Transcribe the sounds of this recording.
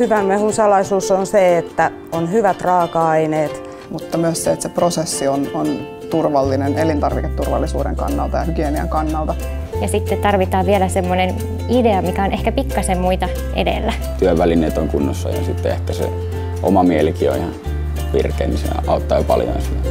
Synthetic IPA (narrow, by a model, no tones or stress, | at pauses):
hyʋæmmehusɑlɑisuːsːonseet̪ːæ | onhyʋæt̪rɑːkɑɑineːt̪ | mut̪ːɑmyøsseet̪seprosesːionon | t̪urʋɑlːinenelint̪ɑrʋiket̪ːurʋɑ̰lːisṵːɾḛŋkɑ̰nːɑlt̪ɑjɑhykieniḛŋkɑnːɑlt̪ɑ | jɑsit̪ːet̪t̪ɑrʋit̪ɑːʋʋiælæsemːonen | ideɑmikæonʔehkæpikːɑsemmuit̪ɑ | ʔḛdḛlːæ | t̪yøʋʋælineːt̪oŋkunːosːɑ̰jɑ̰sit̪ːḛehkæsḛ | ʔo̰mɑmielikio̰ihɑn | ʋḭrkḛːnisḛɑut̪ːɑjopɑ̰ljo̰nsit̪æ